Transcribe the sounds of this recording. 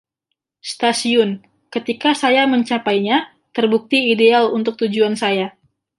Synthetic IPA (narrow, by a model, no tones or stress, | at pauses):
st̪asiʊn | kət̪ikasajaməɲt͡ʃapajɲa | t̪ərbuk̚t̪iːdealunt̪ʊk̚t̪ud͡ʒuansaja